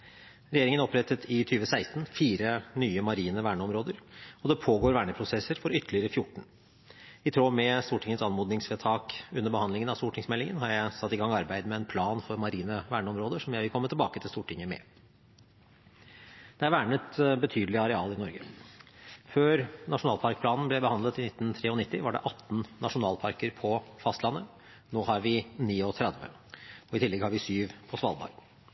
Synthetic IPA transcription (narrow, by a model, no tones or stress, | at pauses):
ɾɛjeːɾɪŋənɔpɾɛt̪ːət̪ʰɪt̪ʰyːʋəsæɪst̪nfiːɾənyːəmɑɾiːnəʋæːɳəɔmɾoːd̪əɾɔd̪ɛpʰoːɡoːɾʋæːɳəpʰɾʊsɛsːəɾfɔɾʏt̪ʰːəlɪəɾəfjʊʈːɳ̩ | ɪt̪ʰɾoːmɛst̪uːʈʰɪŋːət̪sɑnmuːd̪nɪŋsʋɛt̪ʰɑːkʉnːəɾbəhɑnd̪lɪŋənɑst̪uːʈʰɪŋsmɛlːɪŋə̰nɦɑɾjæɪsɑt̪ːɪɡɑŋːɑɾbæɪd̪mɛɛnpʰlɑːnfɔɾmɑɾiːnəʋæːɳəɔmɾoːd̪əʂɔmjæɪʋɪlkʰɔmːət̪ʰɪlbɑːkət̪ʰɪlst̪uːʈʰɪŋːəmɛ̰ | d̪̥ɛæɾʋæːɳət̪bət̪ʰyːd̪əlɪɑɾɛɑːlɪnɔɾɡə | føːɾnɑʂʊnɑːlpʰɑɾk̚pʰlɑːnn̩blɛbəhɑnd̪lət̪ɪnɪt̪ːn̩t̪ʰɾeːɔnɪt̪ːɪʋɑɖɛ̰ʔɑt̪ːn̩nɑʂʊnɑːlpʰɑɾkəɾpʰɔfɑst̪lɑnːə | noːhɑɾʋɪniːɔt̪ʰɾɛd̪ʋə̰ | ɔɪt̪ɪlːɛɡhɑɾʋɪsyːʋpʰɔsʋɑ̰lˠd̪ɑ̰ɾɡ